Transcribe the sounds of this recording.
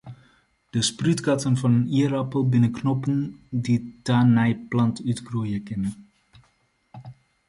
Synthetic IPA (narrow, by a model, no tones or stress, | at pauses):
d̥əsprytɡɑtənvɑnəniəɾɑpəlˠbɪnəknɔpənditanɛjplɑntytɡrujəkɪnə